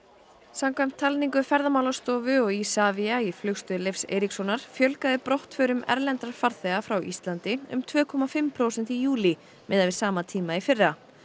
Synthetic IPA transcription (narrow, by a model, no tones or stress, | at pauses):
samkʰvajm̥t̪ʰːalniŋkʏfɛɾðamawlast̪ɔːvʏɔɣisaːviaiflʏxst̪ʏðlɪfsḛːjɾiksɔnaɾ̥fjœlkaðɪpɾowht̪fœːɾʏmɛ̰ɾlɛnt̪aɾ̥faɾθɛɣafɾawʔḭst̪lant̪ɪʏ̰mt̪ʰvœːkʰɔmafɪmpʰɾoːwsɛnt̪ijuːli | mɛːðavɪ̥saːmat̪ʰiːmaifɪrːa